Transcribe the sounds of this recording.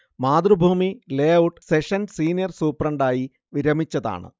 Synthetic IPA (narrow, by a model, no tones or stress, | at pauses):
maːd̪rubʱuːmileːɐwʈseʂɐnsiːnijɐrsuːprɐɳɖaːji | ʋiɾɐmit͡ɕːɐða̰ːɳɨ̰